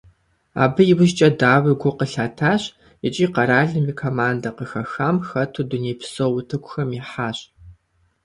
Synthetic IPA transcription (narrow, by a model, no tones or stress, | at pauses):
a̰ːbɨjɪwʊʒt͡ʃʼɐdaːwɨɡʷʊqəɬaːtʰaːɕ | ɪt͡ʃʼiːqɐɾaːɮɨmiːkʰomaːndɐqəxɐxaːmxɐtʰuduneːpsowʊtʰɨkʷʰʼʊxɐmiħaːɕ